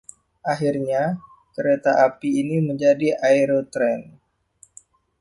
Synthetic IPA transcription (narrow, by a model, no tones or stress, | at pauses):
ʔaɦirɲa | kəɾet̪aʔapiːniməɲd͡ʒadiʔaiɾot̪ɾɛn